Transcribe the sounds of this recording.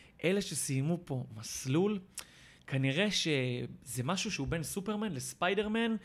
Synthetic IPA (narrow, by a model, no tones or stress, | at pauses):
ʔe̞leʃe̞sijmupo̞maslul | kʰaniʁe̞ʃezemaʃuʃeube̞nsupe̞ʁmanlespajde̞ʁman